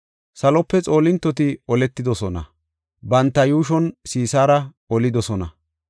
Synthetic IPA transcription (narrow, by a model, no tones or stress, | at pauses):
sɐlɔpːɛt͡sʼo̞ːlɪnt̪ːɔt̪ɪɔlɛt̪ːɪd̪ɔsɔnɐ̰ | bɐnt̪ːɐjuːʃ̬ɔnsiːsaːɾɐ | ɔlɪd̪ɔsɔnɐ̰